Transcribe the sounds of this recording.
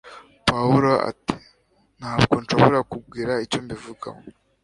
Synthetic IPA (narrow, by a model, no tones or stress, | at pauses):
pauɾo̞a̰ti̥ | n̥haːbɡo̞nʃoβoɾakub̚ɡiːɾaicoːmbivuɡa̰mo